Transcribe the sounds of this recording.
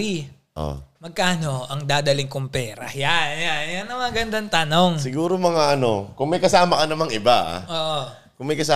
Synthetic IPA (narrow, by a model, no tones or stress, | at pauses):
i | ʔo̰mɐɡ̚kaːno̞ʔɐŋd̪aːd̪ɐlɪŋkʊmpɛːɾɐ̰janjanjanːɐmɐɡɐnd̪ant̪ano̞ŋsɪɡuːɾomɐŋaʔɐno̞̰kʊŋmɐjkɐsaːmɐkɐnɐmaŋɪbaa̰ʔoːʔo | kʊŋmɐjkɐsa